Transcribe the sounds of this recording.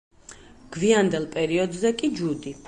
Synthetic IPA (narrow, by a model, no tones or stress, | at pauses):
ɡ̥viand̪ɛlˠpʼɛɾiɔd̪zɛkʼid͡ʒud̪i